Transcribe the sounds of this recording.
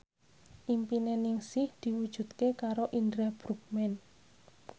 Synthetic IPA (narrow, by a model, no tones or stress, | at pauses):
ʔimpinenɪŋsɪhd̪̥i̤wud̥ʒ̥ṳt̪kekaɾoʔind̪ɾɛb̥ɾuk̚mɛn